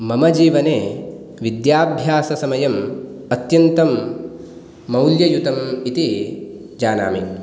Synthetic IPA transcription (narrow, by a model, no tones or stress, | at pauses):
mɐmɐd͡ʒiːʋɐneː | ʋid̪jaːbʱjaːsɐsɐmɐjɐm | ɐt̪jɐnt̪ɐm | ɐwljɐjut̪ɐmit̪i | d͡ʒaːna̰ːmi